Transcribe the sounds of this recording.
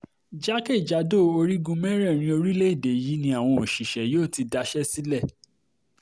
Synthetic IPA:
d͡ʒa˦ke˦˨d͡ʒa˨˦do˦o˧ɾi˦ɡũ˧mɛ˦ɾɛ˦˨ɾ̃ĩ˧o˧ɾi˦le˦i˦˨de˨ji˨˦nĩ˧˦a˦˨w̃ɔ̃˧o˨ʃi˨ʃɛ˨joː˦˨ti˧da˧ʃɛ˦si˦lɛ˦˨

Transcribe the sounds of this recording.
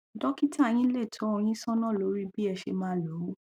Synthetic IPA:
dɔ˦ki˦tʰa˦˨j̃ĩ˦le˦˨to˨˦ɔ˧j̃ĩ˦sɔ̃˦nɔ̃˦˨lo˨˦ɾi˦bi˦ɛ˧ʃe˧mãː˦lo˨˦wu˦

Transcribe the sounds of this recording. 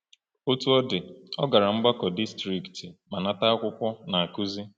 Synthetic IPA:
o˦tu˦ɔ˦dɪ˨ɔ˦ɡa˨ɾa˨m̩˦ɡ͡ba˦kɔ˨di˦stɾi˨kti˨ma˨na˦ta˦a˦kʷʊ˦kʷɔ˦na˨a˨ku˦zi˦

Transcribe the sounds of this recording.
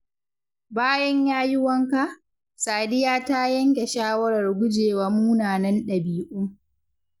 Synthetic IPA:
baː˦jɐ˦ɲjaː˦jʊ˦wɐ˦ŋka˦ʔ | saː˨dɪ˦jaː˦ta˦jɐ˦ŋkʲe˨ʃaː˦wɐ˦ɾɐ˨rɡʷʊ˦d͡ʒeː˨waː˦muː˦naː˨nɐ˦nɗɐ˨biː˨ʔʊ˦m

